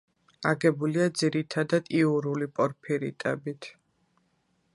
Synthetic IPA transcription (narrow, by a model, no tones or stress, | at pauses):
aɡɛbuliad̪ziɾit̪ʰad̪ad̪iuɾulipʼɔɾpʰiɾḭt̪ʼɛ̰bit̪ʰ